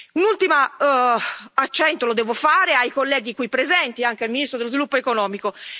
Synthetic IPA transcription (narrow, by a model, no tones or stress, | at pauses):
unult̪ima | at͡ʃːɛnt̪olod̪ɛːvofaːɾeajkolːɛːɡikwipːɾezɛnt̪iaŋk̟ealminist̪ɾod̪elozvilupːoekonɔːmiko